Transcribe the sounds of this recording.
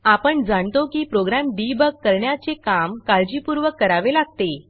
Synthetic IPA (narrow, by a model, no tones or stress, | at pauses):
apəɳd͡zaɳt̪okiːpɾoɡɾamɖibəɡ̚ːəɾɳjat͡sekamkald͡ʑiːpuɾʋəkːəɾaʋelaɡ̚t̪e